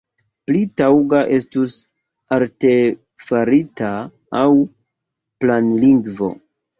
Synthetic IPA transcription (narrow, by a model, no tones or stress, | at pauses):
plitawɡaʔe̞stus | aɾte | faɾitaː | w | planliŋɡvo̞̰